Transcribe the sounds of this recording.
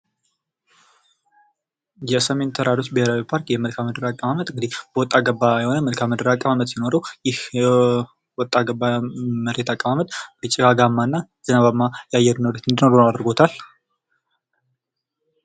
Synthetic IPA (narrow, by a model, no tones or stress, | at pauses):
jɛsəme̞nt̪ʰəɾaɾo̞t͡ʃːbəheɾawipʰaɾkjɛməlkʰaməd̪əɾakʼəβamət̪ɨŋɡɨd̪ihb̥əwɔt̪ʼːaɡəbːajɛho̞nəməlkʰamːəd̪əɾakʼːəmamət̪jino̞ɾəwjɪhɛ | wɔt̪ʼːaɡəbːaməɾet̪ʰakʼəmamət̪bət͡ʃʼiɡaɡamːanːa | z̥ɨnaβamːajɛajːɛɾnoɾet̪ɨnd̪ino̞ɾoad̪ɾɡo̞t̪ʰal